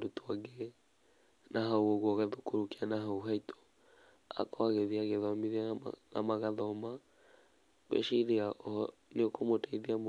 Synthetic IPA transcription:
dutwaɡe | naɦauoɣwɔɣaðokoɾukianaɦauɦaitʰɔ̥ | a̰kɔaɣeðiaɣeðɔmiðia̰na̰maɣaðɔma | wḛʃiɾeaʔɔ | neokomotaiðiam

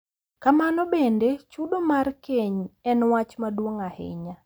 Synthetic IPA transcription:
kamanɔbendet͡ʃudomarkeɲɛnwat͡ʃmadwoŋahɪ̰ɲa

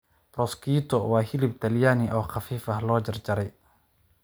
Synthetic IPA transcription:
prɔskʰiːt̪ʰɔwaːhɪlɪb̚t̪ʰɐljaːniʔɔːχɑfiːfɐɦlɔːd͡ʒɐrd͡ʒɐɾɛj

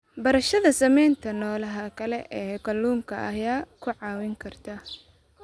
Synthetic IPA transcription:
bɐɾɐʃɐðɐsɐmɛjnt̪ʰɐnɔːlɐɦɐkʰɐlɛʔɛːɡɐlːuːŋkʰɐʔɐjaːkʰʊʕɑːwɪŋkʰɐrt̪ʰaː

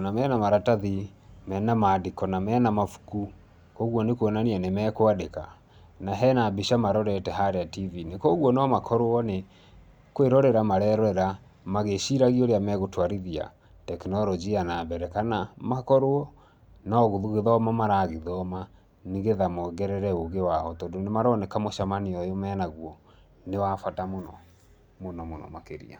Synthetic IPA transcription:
namɛnamaɾataði | mɛnamadikɔnamɛːnamafu̥ku | kɔɣwɔnekwɔnanianemɛkoadeka | naɦɛnabiʃamaɾɔɾɛtɛɦaɾeativinekɔɣwɔnɔmakʰɔɾoɔne | kweɾɔɾɛɾamaɾɛːɾɔɾɛɾa | maɣeʃiɾaɣioɾeamɛɣotwaɾiðia̰ | tɛknɔɾɔd͡ʒianambɛɾɛkanamakɔɾoɔ | naːɣoðuɣeðɔmamaɾaɣeðɔma | niɣeðamɔɡɛɾɛɾɛoɣewaɔtɔːndonemaɾɔnɛkamoʃamaniɔjomɛːnaɣwɔ | newafatamonɔ̰ | monɔmonɔ̰makeɾḭa̰

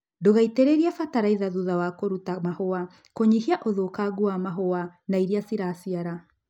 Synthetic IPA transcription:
ndoɣaiteɾeɾiafataɾaiðaðuðawakoɾutamahoa | koɲihiaʔoðokaɡuamaɦoanaiɾiasiɾasiaɾa

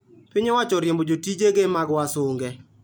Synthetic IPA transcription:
pɪɲewat͡ʃɔɾjembod͡ʒotid͡ʒeɡemaɡwasoŋɡɛ

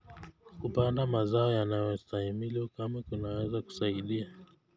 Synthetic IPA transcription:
kupandamazaɔjanajɔst̪ahimilɔkamakunawɛzaku̥saiɗia

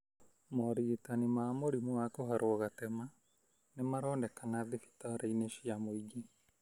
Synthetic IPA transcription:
mɔɾitanimaːmoɾimuakoɦaɾʔoɔɣatɛma | nemaɾɔːndɛkanaðifi̥taɾaineʃiamoiɡi

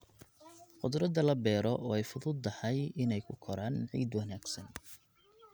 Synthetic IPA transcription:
qʊd̪ɾɐd̪ɐlɐbɛːɾɔʔɔːɛjfʊðʊd̪̚ːɐħɑjɪnɛjkʰʊkʰɔɾaːnʕḭːd̪wɑnaːɡ̥sɐn

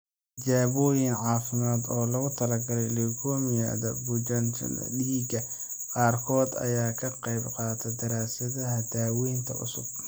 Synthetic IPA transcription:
d͡ʒaːβɔjɪnʕɑːfɪmaːd̪ɔːlɐɣʊt̪ʰɐlɐɡɐɾɛjlɪɡʰɔːmɪja̰ːðɐbʊd͡ʒɐntɖiːɡɐ | qɑːrkʰɔːd̪ɐ̰jaːkʰɐqɑjbqɑːt̪ʰɛd̪ɐɾaːsɐðɐɦɐd̪aːwɛjnt̪ʰɐ̰ʊ̰sʊ̰b̥̚

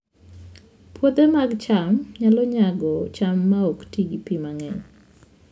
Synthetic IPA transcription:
pwod̪emaɡt͡ʃamɲalɔɲaɡɔt͡ʃamːaoktiɡipimaŋɛɲ

